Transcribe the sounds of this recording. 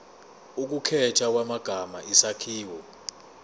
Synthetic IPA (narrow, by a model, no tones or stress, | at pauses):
uk̬ukʰɛtʰak̬wamaɡ̥ʱamaʔisakʰiːwɔ